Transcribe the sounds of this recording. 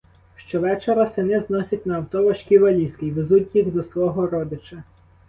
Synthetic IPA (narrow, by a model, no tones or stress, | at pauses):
ʃt͡ʃɔʋɛt͡ʃeɾɐsenɪznɔsʲɐtʲnɐːwt̪ɔʋɐʃkʲiʋɐlʲisʲkɪjʋezutʲjiɣd̪ɔsʋɔɦɔɾɔd̪ɪt͡ʃɐ